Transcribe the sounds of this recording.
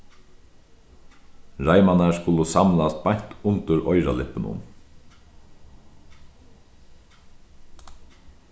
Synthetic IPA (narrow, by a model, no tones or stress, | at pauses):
ɾajmanaskʊləsamlast̪̚bajɲ̥t̪ʊnt̪ʏɾɔʏɾalɪpɪnʊ̰n